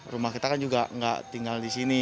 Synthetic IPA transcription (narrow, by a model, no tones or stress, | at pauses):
rumahkit̪akand͡ʒuɡaŋɡa̰ʔt̪iŋɡaldisini